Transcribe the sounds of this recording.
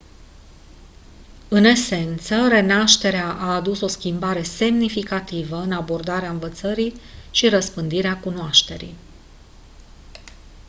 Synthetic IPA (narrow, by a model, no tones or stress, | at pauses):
ɨne̞se̞nt̪səre̞naʃt̪e̞ɾeaʔaːd̪uso̞skʲimbaɾe̞se̞mnifikat̪ivəɨnabo̞rd̪aɾeaɨnvət̪səɾiʃiɾəspɨnd̪iɾeakunoaʃt̪e̞ɾḭj